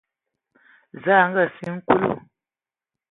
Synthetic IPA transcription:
za˦˨˦ŋ̩˦ə˦˨si˦ŋ̩˦ku˦lṵ˦˨

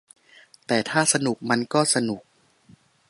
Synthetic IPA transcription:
t̪ɛː˨˩t̪ʰaː˥˩sa˧nu˨˩k̚ma˧nkɔː˥˩sa˧nu˨˩k̚

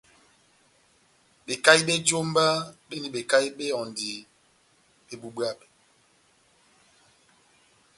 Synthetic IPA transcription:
ɓe˨ka˦i˦ɓe˦d͡ʒo˦m˦ba˦ɓe˦ni˦ɓe˨ka˦i˦ɓe˦ɔ˨ndi˨ | ɓe˨bu˨ɓwa˦ɓe˨

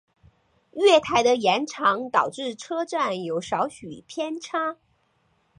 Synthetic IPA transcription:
ɥɛ˥˩t̪ʰa˧˥ɪd̪ə˧jɛ˧˥nʈ͡ʂʰɑ˧˥ŋt̪ɑ˨˩ʊʈ͡ʂɻ̩˥˩ʈ͡ʂʰɤ˥ʈ͡ʂa˥˩njo˧˥ʊʂɑ˧˥ʊɕy˨˩pʰjɛ˥nʈ͡ʂʰa˥

